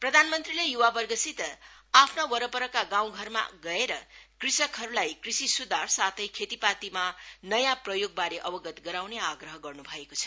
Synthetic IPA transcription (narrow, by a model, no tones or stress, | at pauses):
prʌd̪ʱanmʌnt̪rilejuwabʌrɡʌsit̪apʰnawʌɾʌpʌɾʌkaɡaw̃ɡʱʌrma̰ɡʌeɾʌkrisʌkɦʌɾulajkrisisud̪ʱarsat̪ʰʌjkʰet̪ipat̪imanʌjãprʌjoɡ̚baɾeʔʌbʌɡʌt̪ɡʌɾawneaɡrʌɦʌɡʌrnubʱʌekot͡sʰʌ̥